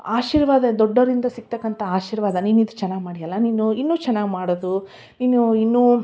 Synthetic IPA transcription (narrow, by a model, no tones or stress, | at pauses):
aːʃiːɾʋaːd̪ɐd̪ɔɖːɐɾind̪ɐsik̚ːt̪ɐkːɐnt̪ʰɐaːʃiːɾʋaːd̪ɐniːnuid̪ut͡ʃɛnːaːɡmaːɽijɐlːɐniːnuinːuːt͡ʃɛnːaːɡmaːɽod̪u | inuinːuː